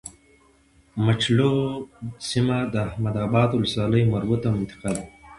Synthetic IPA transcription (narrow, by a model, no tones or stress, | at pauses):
mat͡ʃlo | simad̪əahmad̪abɑd̪wʊləswɑːləjmaɾbut̪amɪnt̪ɪ̥qad̪a